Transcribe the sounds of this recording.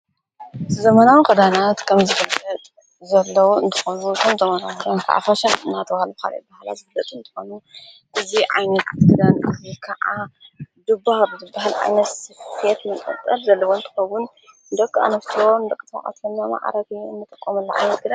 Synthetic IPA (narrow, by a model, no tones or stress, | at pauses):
zɐmanawikʰɐd̪anat̪kʰɐmzɨfɨɐt̪ʼ | zɐlːɐwuɨnt̪ʰɨxonut̪ʰɐmzɐmanawkɐd̪ankʰa̰ʔa̰faʃɐnɨnːat̪ʰɐβahalbɨka̰lḛbahala̰zɨɡɨlːɐt̪ʼɨnt̪ʰɨ̥xo̞nu | ʔɨziʕa̰jnɐt̪ɡɨd̪anɨzikʰaʔad̪ɨbːahbɨzɨbːaɦalʕa̰jnɐt̪sfʰet̪mɨkʼɨt͡s̪ʼɐlzɐlːɐwoɨnt̪ʰɨ̥xɐwun | nd̪ɐkʼːa̰nɐsoɨnd̪ɐkʼɨt̪ʰɐ̰ʔʼa̰t̪ɨnːama̰ʕ̰ɾɐt̪iɨnːɨt̪ʼɐkʼːomɐlːɐʕa̰jnɐt̪̚ɡɨd̪a